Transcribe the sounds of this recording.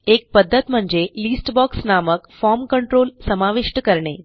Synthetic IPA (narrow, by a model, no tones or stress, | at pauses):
ek̚pəd̪ʱːət̪m̤əɳd͡ʑelisʈbɔksnaməkfɔɾmkəɳʈɾolsəmaʋiʂʈəkəɾɳe